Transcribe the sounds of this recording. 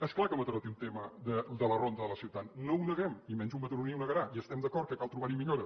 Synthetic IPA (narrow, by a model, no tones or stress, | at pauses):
ɛsklakəmət̪ɾɔt̪iunt̪eməðəd̪ələrond̪əðələsiwt̪at̪nounəɣɛmimɛnzumbət̪uɾuniwnəɣəɾaiəst̪ɛmd̪əkɔɾt̪̚kəkalˠt̪ɾuβaɾimiʎoɾə